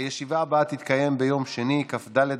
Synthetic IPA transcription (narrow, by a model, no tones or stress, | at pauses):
jeʃivaːbaat̪it̪kaje̞mbe̞jo̞mʃe̞nikafd̪aled